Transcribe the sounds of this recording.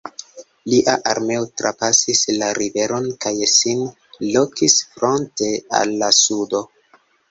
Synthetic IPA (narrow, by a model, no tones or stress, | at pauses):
liʔaʔaɾme̞otɾapasislaɾive̞ɾo̞nkajsin | lo̞kisfɾo̞nte̞a̰lːasudo